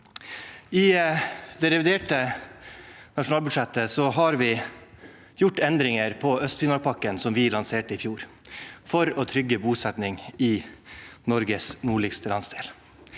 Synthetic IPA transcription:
ɪd̪ɛɾɛʋɪd̪eːʈə | nɑʂʊnɑːlbʉd̪ʂɛt̪ːəsɔɦɑɾʋɪ | jʊʈːɛnd̪ɾɪŋəɾpʰɔœst̪fɪnɔlpʰɑkːənsɔmʋɪlɑnseːʈəɪfjuːɾ | fɔɾɔːt̪ʰɾʏɡːəbuːsɛt̪nɪŋi | nɔɾɡəsnuːɭɪɡst̪əlɑ̰nsd̪eːl

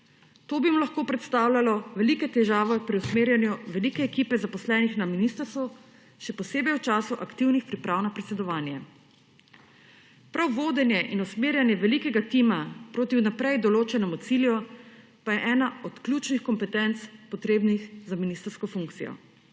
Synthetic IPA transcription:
t̪oːbimulɐxkoːpɾɛt̪st̪aːwlʲalɔʋɛlikɛt̪ɛʒaːʋɛpɾiwsmeːɾjanjuʋɛlikɛːkiːpɛzapɔslɛːnixnaminist̪əɾst̪u | ʃɛpɔseːbɛjwt͡ʃaːsuʔakt̪iwnixpɾipɾawnapɾɛt̪sɛd̪ɔʋaːnjɛ | pɾawʋoːd̪ɛnjɛʔinusmeːɾjanjɛʋɛlikɛɡat̪iːmapɾoːt̪iwnapɾɛjd̪ɔloːt͡ʃɛnɛmut̪siljɔ | pajɛʔɛːnaɔt̪klʲjuːt͡ʃnixkɔmpɛt̪ɛnt̪spɔt̪ɾeːbnixzaminist̪əɾskɔfuŋkt̪sijɔ̰

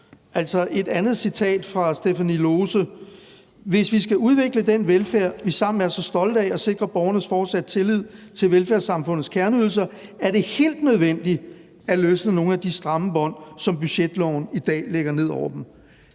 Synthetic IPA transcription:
ʔæl̰sɒ̽ʔe̝d̥ænð̞̩ˠsit͡sʰɛ̰ːd̥fʁɑ̈sd̥efænilo̝ːsə | ʋe̝sʋisɡ̥æuð̞ˠʋe̝ɡ̥ləd̥enʋelfæɐ̰ʋisɑ̈m̰n̩æɐsɒ̽sd̥ɒ̽ld̥ɛɒ̽se̝ɡ̥ʁɐb̥ɒʊɐnəsfɒːd̥sæd̥̚t͡sʰe̝lið̰ˠt͡sʰe̝lʋelfæɐsɑ̈mfɔ̽nð̩ˠskʰæɐnəyðˠl̩s̬ɐæɐɾ̥e̝he̝̰ːld̥nøð̞ˠʋen̰d̥i | æløːsnəno̝ːn̩æd̥isd̥ʁɑ̈məb̥ɒ̽n̰sɒ̽mb̥yɕed̥lɒ̰ʊ̰nid̥ɛ̰ːleɡ̥ɐne̝ð̞̰ˠɒʊɐd̥em̩

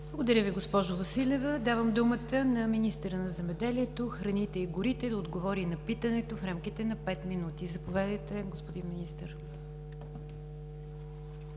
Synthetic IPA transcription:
b̥lˠəɡod̪əɾʲəviɡospɔʒʊvəsilʲɛvəd̪avəmd̪umət̪ənɐminist̪əɾənɐzɛmɛd̪ɛliɛt̪oxɾɐnit̪ɛiɡʊɾit̪ɛd̪ɐod̪ɡovɔɾinɐpit̪ənɛt̪ofɾamkit̪ɛnɐpɛt̪minut̪izɐpovɛd̪əjt̪ɛɡospod̪inminist̪əɾ

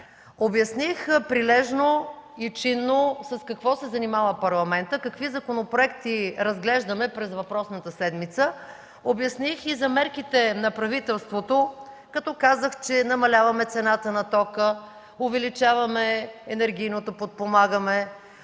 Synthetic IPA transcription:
objɐsnixpɾilɛʒnoit͡ʃinːosɐskɐkvɔsɛzɐnimavəpɐɾlˠɐmɛnt̪əkɐkvizɐkonopɾoɛkt̪iɾɐzɡlɛʒd̪əmɛpɾɛzvɐpɾɔsnət̪əsɛd̪mit̪sə | objɐsnixizɐmɛɾkit̪ɛnɐpɾɐvit̪ɛlˠst̪vot̪o | kɐt̪ɔkazəxt͡ʃɛnɐmɐlʲavɐmɛt̪sɛnat̪ənɐt̪ɔkə | ovɛlit͡ʃavɐmɛɛnɛɾɡ̟ʲijnot̪opot̪̚pomaɡəmɛ

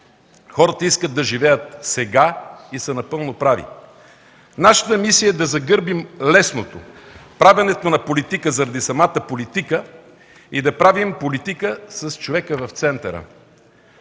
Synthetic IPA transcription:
xɔɾət̪əiskəd̪̚d̪ɐʒivɛjət̪̚sɛɡaisɛnɐpɤlˠnopɾavḭ | naʃə̥t̪əmisijəɛd̪ɐzɐɡɤɾbimlɛsnot̪o̰pɾavɐnɛt̪onɐpolit̪ikəzɐɾɐd̪isɐmat̪əpolit̪ikə | id̪ɐpɾavimpolit̪ikəsɐst͡ʃovɛkəvɐft̪sɛnt̪ɐɾə̰

